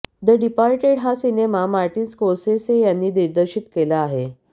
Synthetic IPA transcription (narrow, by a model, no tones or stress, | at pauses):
d̪əɖipaɾʈeɽɦasinemamaɾʈiːnskoɾsesejanːiːd̪iɾd̪əɾɕit̪kelaːɦe